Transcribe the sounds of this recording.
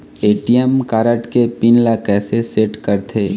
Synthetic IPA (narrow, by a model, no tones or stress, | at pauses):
eːʈijəmkaːɾəʈkepinlakɛːseseːʈkɐɾt̪ʰeː